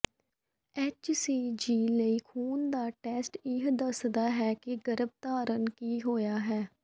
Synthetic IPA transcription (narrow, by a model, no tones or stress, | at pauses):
ɛːt͡ʃsiːd͡ʒiːləiːkʰuːnd̪aːʈɛːsʈɪɦd̪əsd̪aːɦɛːkeɡəɾəb̚t̪aːɾənkiːɦoːjaːɦɛː